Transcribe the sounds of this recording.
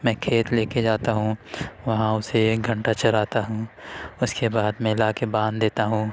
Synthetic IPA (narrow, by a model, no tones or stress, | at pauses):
mɛ̃ːkʰeːt̪leːked͡ʒaːt̪aɦũːʋɐɦãʊsekɡʱɐ̃ɳʈat͡ʃɐɾaːt̪aɦũːʊskebaːd̪mɛ̃ɪlaːkebãːnd̪d̪eːt̪aɦũː